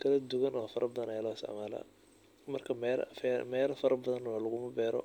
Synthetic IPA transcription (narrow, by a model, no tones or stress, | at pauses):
kʰɐlɐd̪ʊɣɐnɔːfɐɾɐbɐðɐnɛjlɔːɪst̪ɛ̰ʕmaːlɐ̰ | mɐrkʰɐmɛlfɛmɛːlɐfɐɾɐbɐðɐnɔːlɐɣʊmɐbɛːɾɔ̰